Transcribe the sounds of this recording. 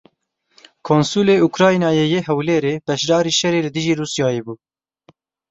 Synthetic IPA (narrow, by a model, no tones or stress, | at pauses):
kʰoːnsuːleːukɾɑːjnɑːjejeːɦɛwleːɾeːb̥ɛʃd̪ɑːɾiːʃɛɾeːlɨd̪ɨʒiːɾuːsjɑːjeːbuː